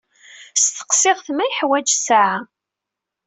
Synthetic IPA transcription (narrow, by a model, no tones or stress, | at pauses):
st̪ə̥qsɪʁθmæjħwæd͡ʒsʕa